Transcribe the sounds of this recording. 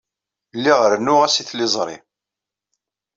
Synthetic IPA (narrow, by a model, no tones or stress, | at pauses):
lːiʁəɾnːʊʁæsiθlɪzˤɾˤḭ